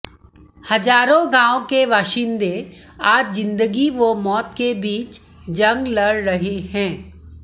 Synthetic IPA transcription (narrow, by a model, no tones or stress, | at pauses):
hɐd͡ʒaːɾõɡãːõkeʋaːʃiːnd̪e | aːd͡ʒzɪ̃nd̪əɡiʋomɔːt̪kebiːt͡ʃ | d͡ʒɐ̃ŋɡlɐɽɾɐɦehɛ̃ː